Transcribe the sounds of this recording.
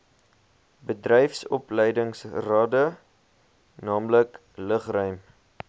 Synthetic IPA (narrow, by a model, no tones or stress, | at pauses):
bədrɛjfsɔ̰plɛjdəŋsrɑːdə | nɑːmlək | ləχrœɥm